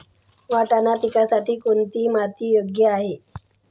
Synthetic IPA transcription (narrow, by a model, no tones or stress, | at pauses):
ʋaʈanapikasaʈʰiːkoɳt̪iːmat̪iːjoɡjəaɦe